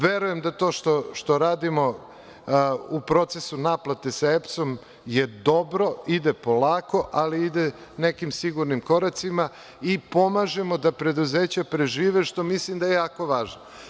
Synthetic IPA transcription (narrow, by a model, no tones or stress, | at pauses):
ʋe̞ɾuje̞md̪at̪o̞ːʃt̪oʃt̪o̞ɾaːd̪imo̞ | upɾo̞t̪se̞sunaːplat̪e̞saepso̞m | je̞d̪o̞bɾo̞id̪epolaːko̞ʔaliid̪e | nekimsiɡuɾnimko̞ɾat̪sima | ipo̞maːʒe̞mo̞d̪apɾe̞d̪uzeːt͡ɕapɾe̞ʒiːʋeʃt̪o̞mislimd̪ajejaːko̞ʋaːʒno